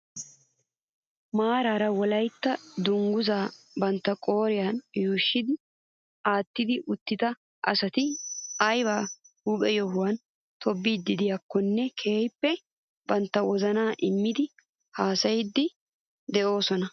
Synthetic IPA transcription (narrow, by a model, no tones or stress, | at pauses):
maːɾaːɾɐwɔlɐjt̪ːɐd̪ʊŋɡʊzaː | bɐnt̪ːɐkʼo̞ːɾɪjanjuːʃːɪd̪ɪ | aːt̪ːɪd̪ɪʔʊt̪ːɪt̪ɐ | ʔɐ̰sɐt̪ɪɐjβaː | huːpʼɛjɔɦʊwɐn | t̪ʰɔbːiːd̪ːɪd̪ɪjakːɔnːɛkʰeːjpːɛ | bɐnt̪ːɐwɔzɐnaːʔɪmːɪd̪ɪ | haːsɐjɪd̪ːɪ | d̪ɛʔo̞ːsɔnɐ